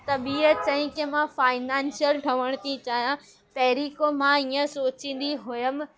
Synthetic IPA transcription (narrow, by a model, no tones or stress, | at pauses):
t̪ɐbiːət̪t͡ɕɐɦĩkemãfaːɪnaːnsjəlʈʰɐʋəɽ̃t̪ʰit͡ɕaːɦijã | pɛɦɪɾiːkomãiːə̃soːt͡ɕĩːn̆d̪iɦʊjəm